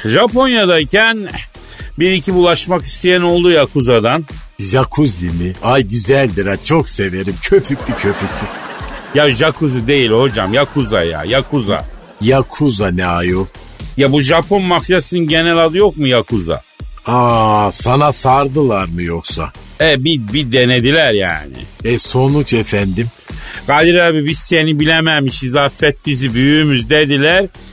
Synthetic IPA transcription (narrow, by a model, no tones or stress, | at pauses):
ʒapo̞njad̪ajcʰæn | biɾicʰibulˠaʃmaki̥st̪ʰejæno̞lˠd̪ujakʰuzad̪an | ʒakʰuzimiajɟyzælʲd̪iɾat͡ʃʰokse̞ve̞ɾimt͡ʃʰøpʰyc̚ʲt̪icʰøpyc̚ʲt̪ʰijaʒakʰuzid̪e̞jilʲho̞d͡ʒamjakʰuzaja̰jakʰuza̰ | jakʰuzanɛajolˠ | jabuʒapʰo̞nmafjasɯnɯnɟe̞nɛlʲad̪ɯjo̞k̚mujakʰuza̰ | asanasaɾd̪ɯlˠaɾmɯjoksaɛbibid̪ened̪ilʲæɾja̰ːnɪ̰ɛso̞nut͡ʃʰefænd̪im | ɡ̥ad̪iɾabibisse̞nibilʲemæmiʃizaːfːɛt̪̚bizibyjyːmyzd̪ed̪ilʲæɾ